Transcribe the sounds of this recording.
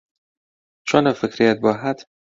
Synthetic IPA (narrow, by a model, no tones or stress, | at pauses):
t͡ʃʰonɒːfekɾijæt̪̚bɒːɦæd̪